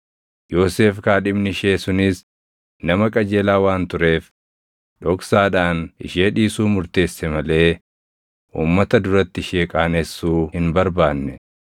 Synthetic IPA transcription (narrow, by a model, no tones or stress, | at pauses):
jo̞ːse̞ːfkaːᶑɪbnɪʃeːsʊnɪs | nɐmɐkʼɐd͡ʒeːlaːwaːnt̪ʊɾe̞ːf | ᶑɔksaːᶑaːnɪ̰ʃeːᶑiːsuːmʊɾt̪e̞ːsːɛmɐle̞ː | ʔṵːmːɐt̪ɐd̪ʊɾɐt̪ːɪʃeːkʼaːnɛsːuːhɪnbɐɾbaːnːɛ